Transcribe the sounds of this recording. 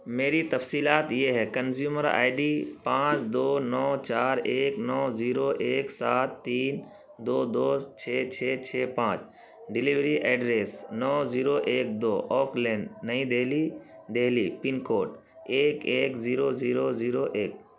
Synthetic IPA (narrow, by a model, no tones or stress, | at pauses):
meːɾit̪ɐfsiːlaːt̪jeɦɛkɐnzjuːməɾa̰ːɪɖipãːt͡ʃd̪oːnɔːt͡ʃaːɾeːknɔːziːɾoʔeːksaːt̪ːiːn | d̪oːd̪oːt͡ʃʰeːt͡ʃʰeːt͡ʃʰeːpãːt͡ʃ | ɖɪliʋɾiʔɛːɖɾeːsnɔːziːɾoʔeːk̚d̪oːʔɔːklɛ̃ːɳɖnɐɦĩd̪eːli | d̪eːɦlipɪnkoːʈ | eːkeːkziːɾoziːɾoziːɾoʔeːk̚